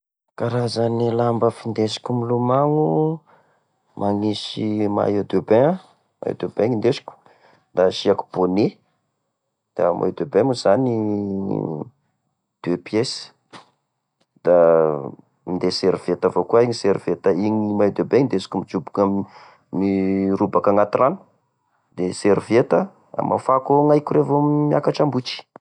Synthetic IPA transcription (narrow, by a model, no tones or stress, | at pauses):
kaɾazanilambəfind̪esi̥kʲumilumaŋu | mʔaŋisima̰jod̪ebea | ma̰ḛd̪ebeŋind̪esi̥kʲu̥ | d̪aʃiaku̥bone | d̪̥amʔa̰ed̪ebemuz̥ani | d̪̥epjes | d̪̥a | mind̪eseɾv̥et̪avokuaiɲiseɾiv̥et̪əiɲimajd̪ebeɲind̪esi̥kumid͡ʒubukam | nirubakaŋat̪iranu̥ | d̪̥eseɾivet̪ə | a̰mʔa̰fakoŋajkurevoammiakaʈ͡ʂambut͡ʃi̥